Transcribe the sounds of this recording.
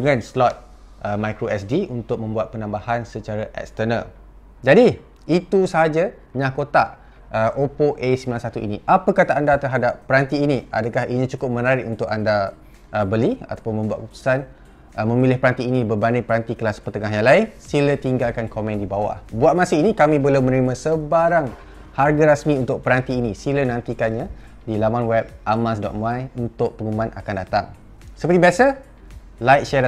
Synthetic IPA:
dəŋãnslɔt̪̚ | əmajkɾoɛsdiunt̪ʊk̚mə̃mbuat̪̚pənãmbahansət͡ʃaɾaʔɛ̰k̚st̪ənal | d͡ʒadi | it̪usəɦad͡ʒa | ɲãkot̪aʔ | əʔopoʔesəmbilansat̪uḭniʔapəkat̪aʔːndat̪ərɦadapːəɾant̪iːniʔa̰dəkahinit͡ʃukʊp̚mənaɾɪʔunt̪ʊkanda | ʔəbəlia̰t̪apʊnmə̃mbuat̪̚pup̚t̪u̥san | mə̃milɪhpəɾant̪iːnĩbərbanɪpəɾant̪ikəlaspərt̪əŋaɦjaŋlaɪnsilət̪iŋɡalkankomɛ̃ndibawa̰hbuat̪̚mãsɪinikamĩbəlumə̃nəɾimãsəbaɾaŋ | harɡaɾasmĩunt̪ʊk̚pəɾant̪iːnisilənãnt̪ikanɲã | dilamanwɛb̚ʔamas̬dɔ̰t̪̚mãjunt̪ʊʔ̚pəŋumãna̰kandat̪a̰ŋ | səpəɾt̪ibiasa | lajk̚ʃɛ

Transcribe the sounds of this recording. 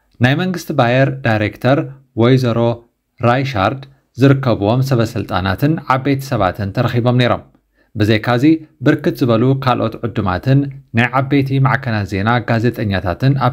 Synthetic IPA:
najmɐŋɡɨst̪ʰibajɛɾd̪ajɾekt̪ʰɐɾ | wojzɐɾo̞ | ɾajʃa̰ɾd̪ | zɨɾɨkːɐβuwo̞msɐβɐsɨlt̪ʼa̰nat̪ɨnʕaβbe̞t̪ʰɐ̥sɐβa̰t̪ʰɨnt̪ʰɐɾɐxibo̞mne̞ɾo̞̰m | bɨzejkʰazibɨɾkɨt̪zɨβɐlukʰalʔo̞̰t̪ʕʊd̪ːuma̰t̪ʰɨnːajʕaβbe̞t̪ʰimaʕkʰɐlaze̞naɡaze̞t̪ʼɐɲːat̪ʰa̰t̪ɨna

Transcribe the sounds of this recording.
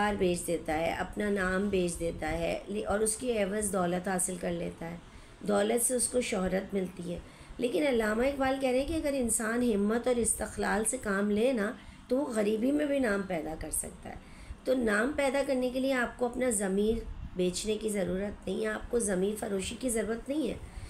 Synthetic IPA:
aːɾbʱeːt͡ʃʰd̪eːt̪aɦɛ̰ʔɐpnanaːmbeːt͡ʃʰd̪eːt̪aɦɛ̰lʔɔːɾʊskiɛːʋəzd̪ɔːlət̪ɦaːsɪlkɐɾlḛːt̪aɦɛː | d̪ɔːlət̪seʊskoʃɔɦɾət̪mɪlt̪iɦɛː | leːkɪnɐlːaːmaɪkbaːlkɛɦɾeɦɛ̃kiɐɡəɾɪ̃nsaːnɦɪmːət̪ɔːɾɪst̪ɪxlaːlsekaːmleːnat̪oʋoɣɐɾiːbimẽbʱinaːmpɛːd̪akɐɾsɐ̰k̚t̪a̰ɦɛ̰ː | t̪onaːmpɛːd̪akɐɾnekelieaːp̚koɐpnazɐmiːɾbeːt͡ʃnekizɐɾuːɾət̪nɐɦĩɦɛaːp̚kozɐmiːɾfɐɾoːʃikizɐɾuːɾət̪nɐɦĩɦɛ̰ː

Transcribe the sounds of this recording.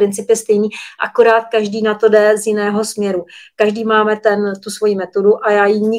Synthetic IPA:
ɾɪnt͡sɪpjɛst̪ɛjniːʔa̰koɾaːt̪̚kaʒdiːnat̪o̞dɛzjɪnɛːɦo̞smɲɛɾukaʒdiːmaːmɛt̪ɛnt̪usvo̞jimɛt̪o̞duʔajaːjiɲɪ

